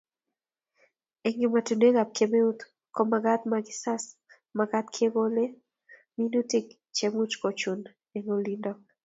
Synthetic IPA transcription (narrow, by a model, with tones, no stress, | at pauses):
e˨ŋɡɪ˨ma˨tu˨ne˦ŋa˨p̚ke˨me˦u˦t̪ | kɔ˦maɡa˦t̪maɡɪ˦sa˦s | maɡa˦t̪̚kʰe˦ɡo˦le˦ | minu˦ti˦k | t͡ʃemu˦t͡ʃko˨t͡ʃu˨n | e˨ŋolindɔ˦k̚